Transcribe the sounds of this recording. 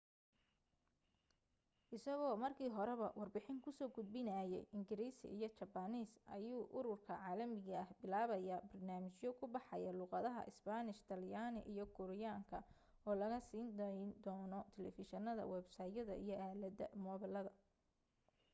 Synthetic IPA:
ʔɪsɐɣɔːmɐrkʰiːɦɔɾɛβɐwɑrbɪħɪŋkʰʊsɔːɡʊd̪̚bɪnɐːjɛjʔɪŋɡɪɾiːsḭjɞt͡ʃɐbɐniːsʔɐ̰juːʔʊɾʊrkʰɐʕɑːlɐmɪɣɐhbɪlaːβɐjɐbɐrnaːmɪt͡ʃjɔkʰʊbɑħɑjɐluːqɑðɐɦɐ̰ʔɪsbanɪʃt̪ʰɐljaːnɪ̰ʔijɞkʰʊɾɪjaːŋkʰɐ | ɔːlɐɣɐsiːnd̪d̪ɔːnɔt̪ʰɛlɛ̰fɪʃɐnɐðɐ̰wɛːbsaːjɐðɐ̰ijɞʔaːlɐd̪ɐmɔːβɐlɐðɐ

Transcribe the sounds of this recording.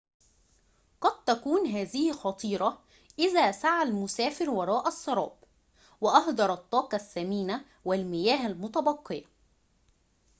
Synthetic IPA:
qɑd̪̚t̪ækuːnɦæːzɪhxɑt̪ˤiːɾˤɑ | ʔɪðæːsaʕalmʊsæːfɪɾwɑɾˤɑːʔɑsˤːɑɾˤɑ̰ːb̚ | wɪʔɑhd̪ɑɾˤɑt̪ˤːɑːqɑsːæmiːna | wɪlmɪjæːhælmʊt̪ɑbɑqːɪjɑ

